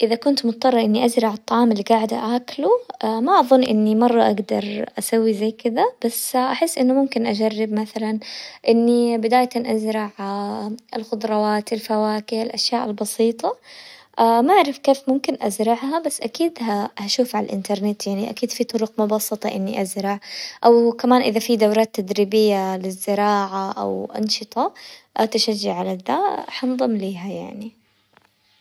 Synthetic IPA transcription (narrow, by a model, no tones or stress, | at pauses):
ʔɪðakʊnt̪mʊt̪̚ˤt̪ˤːɑrˤːɑʔɪnːiʔazɾˤɑʕɨt̪ˤːɑʕɑːmɪlːiɡaʕd̪aʔaːkluamaʔɑðˤʊnːʔɪnːimɑrˤːɑʔaɡd̪ɑɾˤʔasawːizajːkɪd̪ab̥asːʔaħɪsːʔɪnːʊmʊmkɪnʔad͡ʒarːɪbmaθalanʔɪnːibɪd̪aːjt̪anʔazɾˤɑʕ | ɪlxʊd̪ˤɾˤɑwaːt̪ɪlfawaːkɪalʔaʃjaːʔɪlbɑsiːt̪ˤɑʔamaʔaʕɾˤɪfkeːfmʊmkɪnʔazɾˤɑʕɦabasːʔakiːd̪ɦahaʃuːfʕalalʔɪ̰nt̪ɑɾˤnɪt̪jaʕniʔa̰kiːd̪fit̪ˤʊɾʊqmʊbɑsˤːɨt̪ˤɑʔɪnːḭʔazɾˤɑʕʔawkamaːnʔɪðafid̪awɾˤɑːt̪ːad̪ɾiːbɪjːalɪzːɪɾɑːʕaʔa̰wʔɑ̰nʃɨt̪ˤɑʔat̪aʃad͡ʒːaʕalad̪aħanðˤɨmliːɦajaʕni